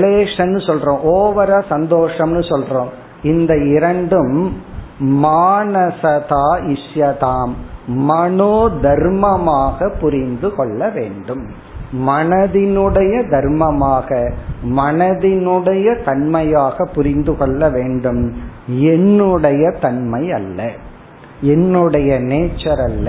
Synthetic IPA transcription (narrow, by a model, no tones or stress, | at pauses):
leːʂɐnːɯsɔlrõːʔoːʋɐɾasɐnd̪oːʂɐmnɯsɔlroːm | ɪnd̪ɐɪɾɐɳɖɯmː | aːnɐsɐt̪aːɪʂjɐt̪aːmːɐnoːd̪ʱɐɾmɐmaːɣɐpːʊɾɪnd̪ɯkɔɭːɐʋeːɳɖɯm | mɐnɐðɪnɯɽɐjɐd̪ɐɾmɐmaːɣɐmɐnɐðɪnɯɽɐjɐt̪ɐɳmɐjaːɣɐpːʊɾɪnd̪ɯkɔɭːɐʋeːɳɖɯmɛnːɯɽɐjɐt̪ɐɳmɐɪjɐlːɐ | ɛnːɯɽɐjɐneːt͡ʃːɐɾɐlːɐ